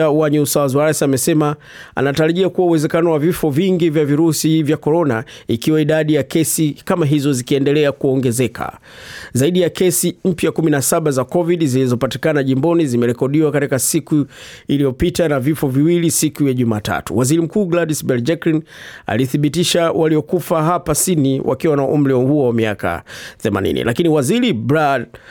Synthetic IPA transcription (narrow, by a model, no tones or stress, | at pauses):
awaɲuusawazwaɾasiamɛsɛma | a̰nataɾaʄiakuwauwɛzɛkanɔwavifɔviŋɡivjaviɾusivjakɔɾɔna̰ikiwaiɗaɗijakɛsikamaɦizɔzikiɛndɛlɛakuɔŋɡɛzɛkʰa̰ | zaiɗijakɛsim̩pjakuminasaɓazakɔviɗizilizɔpati̥kanaʄimbɔnizimɛɾɛkɔɗiwakatikasikuilijɔpitanavifɔviwilisikujaʄumaːta̰tṵwaziɾim̩kuːɡladisbɛld͡ʒɛkɾina̰liθiɓitiʃawaliɔkufaɦapasiniwʔa̰kiwanaʔum̩ɾɛhuɔwamiaka̰θɛma̰nḭnḭlʔa̰kiniwaziɾibɾad